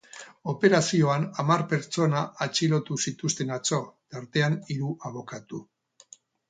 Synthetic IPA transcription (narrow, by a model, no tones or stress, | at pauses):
o̞pe̞ɾasio̞anamarpe̞ɾt͡ʃo̞naʔːt͡ʃilo̞t̪usit̪ust̪e̞nat͡so̞t̪aɾt̪e̞aniɾuʔaβo̞kat̪u